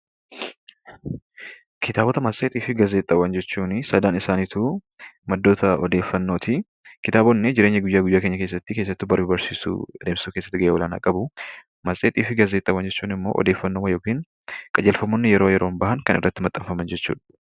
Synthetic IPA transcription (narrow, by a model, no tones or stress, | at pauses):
kʰɪt̪aːbɔt̪ɐmɐsʼeːt̪ʼiːfɪɡɐzeːt̪ʼɐwɐnd͡ʒɛt͡ʃːuːnɪsɐd̪aːnɪsaːniːt̪u | mɐd̪ːo̞ːt̪ʰɐɔd̪eːfːɐnːoːt̪ʰɪ | kɪt̪aːbɔnːed͡ʒɪɾe̞ːɲːɐɡʊjːaːɡʊjːaːke̞ːɲːɐke̞ːs̬ːɐt̪ːɪke̞ːsːɐt̪ːɪbɐɾibɐɾsḭːsṵd̪eːmsuːke̞sːɐ̥t̪ːɪɡɐʔeːwɔlaːna̰ːkʼɐbʊ | mɐsʼeːt̪ʼiːfɪɡɐzeːt̪ʼːɐwɐnd͡ʒɛt͡ʃːuːnɪmːo̞̰ːʔɔ̰d̪e̞ːfːɐnːoːmɐjo̞ːkiːn | kʼɐd͡ʒɛlfɐmːonːɪjɛɾo̞ːjɛɾoːnbɐhɐŋkɐnʔɪ̰rːɐt̪ːɪmɐt̪ʼːɐmfɐmɐnd͡ʒɛt͡ʃːṵːᶑɐ̥